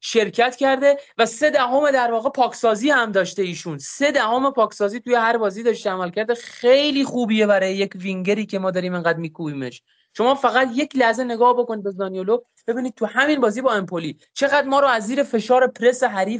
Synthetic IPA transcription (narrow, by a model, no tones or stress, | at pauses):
ʃe̞ɾcʰæt̪cæɾd̪e̞væse̞d̪æɦomed̪æɾvɒːɣe̞pʰɒːksɒːziːhæmd̪ɒːʃt̪e̞iːʃunse̞d̪æhome̞pʰɒːksɒːziːt̪ʰuje̞hæɾbɒːziːd̪ɒːʃt̪eæmælcæɾd̪exejliːxuːbije̞bæɾɒːjeje̞cviŋɟeɾiːcʰe̞mɒːd̪ɒːɾiːmeŋɡæːd̪miːkʰubiːmeʃ | ʃo̞mɒːfæɣæt̪je̞clæhze̞ne̞ɡɒːhbo̞koniːd̪be̞zɒːnijolo | b̥e̞biːniːd̪̚t̪ʰuhæminbɒːziːbɒːe̞mpʰoliː | t͡ʃʰe̞ɣæd̪mɒːɾoæzːiːɾe̞fe̞ʃɒːɾe̞pʰɾe̞seɦæɾiːf